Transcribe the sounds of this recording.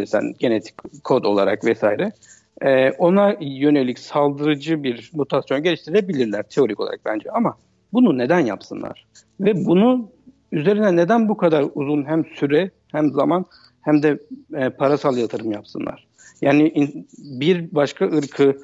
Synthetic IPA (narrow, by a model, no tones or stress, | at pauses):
iɾsæ̰nɟe̞net̪ʰi̥ckʰːo̞d̪o̞lˠaɾa̰kvɛsaːiɾɛː | o̞najø̞ne̞lʲicsalˠd̪ɯɾɯd͡ʒɯbiɾmut̪ʰasjo̞nɟe̞liʃt̪iɾiɾebilʲiɾlʲæɾ̥t̪ʰeo̞ɾikʰo̞lˠaɾak̚bænd͡ʒɛama | bunune̞d̪ænja̰psɯnlˠa̰ɾ̥ | vɛbunu | yze̞ɾinɛne̞d̪ænbukʰad̪aɾuzunɦæmsyɾɛ | hæmzaman | hæmd̪ɛpʰaɾasalˠjat̪ʰɯɾɯmjapsɯnlˠa̰ɾ̥ | jaːniʔibiɾbaʃkʰaʔɯɾkʰɯ